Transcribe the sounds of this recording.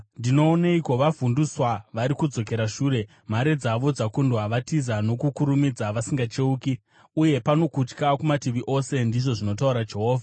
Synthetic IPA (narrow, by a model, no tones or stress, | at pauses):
ndino̞ːneiko̞ʋavunduswaʋaɾikud͡zo̞ke̞ɾaʂuːɾe̞ | m̤aɾe̞d͡zaʋo̞d͡zakundwaʋatizano̞kukuɾumid͡zaʋasiŋɡat͡ʃe̞uki | uje̞pano̞kut͡ʃkakumatiʋiʔo̞se̞ndiʐo̞ʐino̞t̬auɾad͡ʒe̞ɦo̞ːvʱa